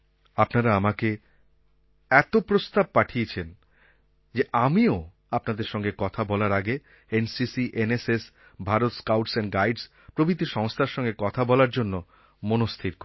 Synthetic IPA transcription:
apnaɾaamake | ɛt̪opɾost̪ab̚paʈʰiet͡ɕʰen | d͡ʑeʔamio | apnad̪eɾʃɔŋɡekɔt̪ʰabɔlaɾaɡe | ensisiʔeneses | bʱaɾot̪skawʈsɛnɡajɖs | pɾobʱɾit̪ːiʃɔŋst̪ʰaɾʃɔŋɡekɔt̪ʰabɔlaɾd͡ʑonːo | monost̪ʰiɾk

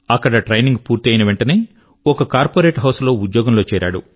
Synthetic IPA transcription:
ɐkːɐɽɐʈɾɐjniŋɡpuːɾt̪iɐjinɐʋeɳʈɐne̞ː | ɔkɐkaːɾpoːɾe̞ːʈɦɐwslo̞ːud̪jɔːɡɐmlo̞ːt͡ʃɛːɾʔa̰ːɽṵ

